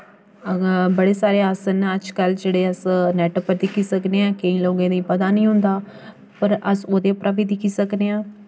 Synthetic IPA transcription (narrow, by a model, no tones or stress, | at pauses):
bəɽeːsaːɾeːaːsənəd͡ʒkəld͡ʒeːɽeːəsnɛːʈəpəɾd̪ɪkʰːiːsəkneːãːkəĩːloːɡẽːd̪iːpəd̪aːnĩːɦʊ̃nd̪aː | pəɾəsoːd̪eːpɾʔaːʋiːd̪ɪkʰiːsəkneːãː